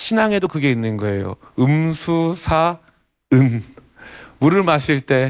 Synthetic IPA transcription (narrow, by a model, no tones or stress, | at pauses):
ɕʰinaŋe̞dokɯɡe̞inːɯnɡʌe̞jo̰ɯmsʰusʰa | ɯn | muɾɯɭmaɕʰiɭt͈e̞